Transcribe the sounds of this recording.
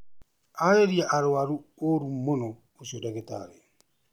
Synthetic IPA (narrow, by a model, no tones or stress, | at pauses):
aeɾiaʔaɾoaɾuoɾumonɔ | osiodaɣeta̰ɾe